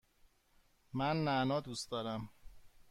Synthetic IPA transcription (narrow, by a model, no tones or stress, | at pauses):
mænːænɒːd̪usd̪ɒːɾæm